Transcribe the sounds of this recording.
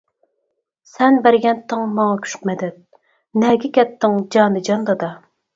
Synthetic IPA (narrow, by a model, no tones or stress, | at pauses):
sɛnbæɾɡʲɛnt̪ʰːɨŋmɑŋɑkʲʰy̥ʃqmɛd̪ɛt̪̚ | nɛɡʲɛkʲɛt̪ːɪŋd͡ʒɑːnɨd͡ʒɑnd̪ɑd̪ɑ